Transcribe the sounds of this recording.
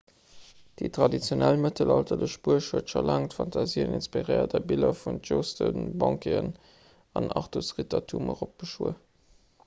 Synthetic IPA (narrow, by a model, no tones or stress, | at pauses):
d̥itʁɑdit͡sjonælmətəlɑltɐləʃb̥uəʃhuətfɐlaŋtfɑntʰɑziːəninspiʁeɪɐdɛbilɐfunʒostʰənbɑŋkeən | ɑnɑχtusʁitɑtʰuməʁop̚ɡ̥əʃuə